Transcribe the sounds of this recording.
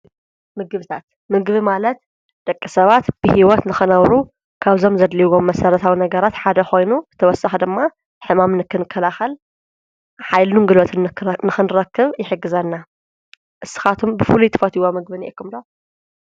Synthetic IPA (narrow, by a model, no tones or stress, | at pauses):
mɨɡɨβɨt̪ʰat̪ | mɨɡβimalɐt̪ | d̪̥ɐkʼːɨsɐβat̪b̥ɨhiwɔt̪nɨxɨnɐβɾu | kʰaβzo̞mzɐd̪liwomːɐsɐɾɐt̪ʰawinɐɡɐɾat̪ħad̪ɐxo̞jnuzɨt̪ʰɐwɔsaxd̪ɨmːa | ħɨmamnɨkʰːɨnɨkʰːɐlaxɐl | ħajlunɡɨlot̪ʰɨnnɨxɨnɨɾɐkːɨβjɪħɨɡːɨzɐnːa | ʔɨsːɨ̥xat̪ʰumbɨfulut̪ʰɨ̥fɐt̪ʰiwomɨɡ̚βɨniʔekːumd̪o